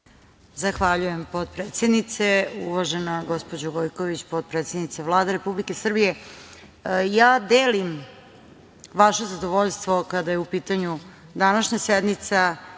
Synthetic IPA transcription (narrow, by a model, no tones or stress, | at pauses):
zaxʋaʎuje̞mpot̪pɾeːt̪sed̪nit̪seuʋaʒenaɡo̞spod͡ʑoɡojkoʋit͡ɕpot̪̚pɾet̪sed̪nit̪seʋlˠaːd̪aɾe̞publike̞sr̩bije | jaːd̪eːlim | ʋaʃezad̪oʋoʎst̪ʋo̞kad̪ajeupiːt̪aɲu | d̪anaʃɲased̪mit̪sa